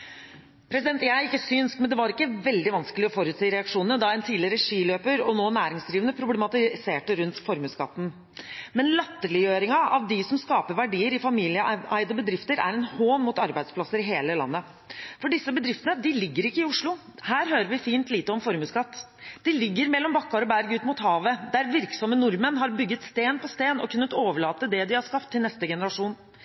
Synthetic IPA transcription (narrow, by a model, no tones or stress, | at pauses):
pʰɾɛsɪd̪ɛnt̪jæɪɪkːəsʏnsmɛnd̪ɛʋɑɾɪkːəʋɛld̪ɪʋɑnskəlɪɔfɔɾʉːt̪siːɾɛɑkʂuːnəd̪ɑɛnt̪ʰiːd̪ɪɾɛʂiːløːpəɾɔnoːnæːɾɪŋsd̪ɾiːʋənəpʰɾʊblɛmɑt̪ɪseːʈəɾʉnt̪fɔɾmʉːskɑ̰t̪ːn̩ | mɛnlɑt̪ːəlɪjøːɾɪŋɑʔɑʋd̪ɪsɔmskɑːpəɾʋæɖiːəɾɪfɑmiːlɪəæɪd̪əbəd̪ɾɪft̪əɾæ̰ɾɛnhoːnmʊt̪ɑɾbæɪd̪spʰlɑsːəɾɪɦeːləlɑ̰nːə | fɔɖɪsːəbəd̪ɾɪft̪ənəd̪ɪlɪɡːəɾɪkːəɪʊʂɭʊ | hæːɾɦøːɾəɾʋɪfiːnt̪liːt̪əɔmfɔɾmʉːskɑt̪ː | d̪̥ɪlɪɡːəɾmɛlːɔmbɑkːɑɾɔbæɾɡʉːt̪mʊt̪hɑːʋəd̪æɾʋɪɾksɔmːənʊɾmənɦɑɾbʏɡːət̪st̪eːnpʰɔst̪eːnɔ̰kʰʉnːət̪oːʋəɭɑːt̪əd̪ɛd̪ɪhɑʂkɑpt̪ʰːɪlnɛst̪əɡɛnəɾɑʂuːn